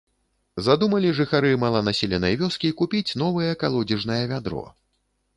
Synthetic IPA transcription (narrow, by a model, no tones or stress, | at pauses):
zad̪umɐlʲiʐɨxaɾɨmɐlˠanasʲilʲɛnɐjvʲɔskʲikupʲit͡sʲn̪ɔvɐjɛkalˠɔd͡zʲiʐnɐjɛvʲad̪ɾɔ̰